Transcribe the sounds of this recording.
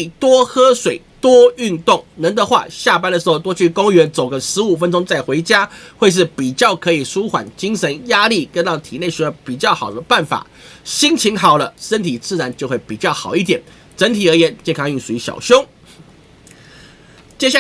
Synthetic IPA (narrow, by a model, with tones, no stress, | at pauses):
t̪wɔ˥xɤ˥ʂwe˨˩ɪt̪wɔ˥y˥˧nt̪ʊ˥˩ŋnə˧˥nd̪ə˧xwa̰˥˧ɕja˥˩p̬a˥nd̪ə˨ʂɻ̩˧˥xo˥˧˩t̪wɔ˥t͡ɕʰy˥˩kʊ˥ŋɥɛ˧˥nt͡so˨˩ʊɡə˦ʂɻ̩˧˥u˨˩fə˥˦nʈ͡ʂʊ˥ŋt͡sa˥˩ɪxwe˧˥ɪt͡ɕja˥we˥˧ɪʂ̬ɻ̩˥˩pi˨˩t͡ɕjɑ˥˩ʊkʰɤ˧˥i˨˩ʂu˥xwa̰˨˩˦nt͡ɕi˥ŋʂə˧˦˥nja˥li˥˩kə˥nt̪ɑ˥˩ʊt̪ʰḭ˨˩ne˥˩ɪɕy˧˥jpi˨˩t͡ɕjɑ˥˩ʊxɑ˨˩ʊd̪ə˦pa˥˩nfa̰˨˩˦ | ɕi˥ŋt͡ɕʰi˧˥ŋxɑ˨˩ʊlə˦ʂə˥nt̪ʰi˨˩t͡sɹ̩˥˩ɻa˧˥nt͡ɕjo˥˧ʊxwe˥˩ɪpi˨˩t͡ɕjɑ˥˩ʊxɑ˨˩ʊi˥˩t̪jɛ˨˩n | ʈ͡ʂə˧˦˥nt̪ʰi˨˩ə˧˥jɛ˧˥˦nt͡ɕjɛ˥˧nkʰɑ˥ŋy˥˩ʂu˨i˧˥ɕjɑ̰˨˩ʊɕjo˥ʊ | t͡ɕjɛ˥ɕja˥˩